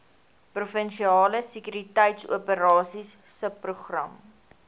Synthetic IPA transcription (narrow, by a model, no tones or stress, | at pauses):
prufənʃiɑːləsəkyɾitəjtsṵəpəɾɑːsisːəpːruχrɐ̰m